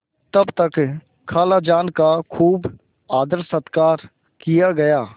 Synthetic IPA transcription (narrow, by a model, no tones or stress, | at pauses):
t̪ɐbt̪ək | kʰaːlad͡ʒaːnkakʰuːb | aːd̪əɾsət̪kaːɾ | kijaɡɐjaː